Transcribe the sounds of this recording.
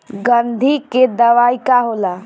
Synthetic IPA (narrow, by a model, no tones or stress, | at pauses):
ɡənd̪ʱiked̪əʋaːikaɦola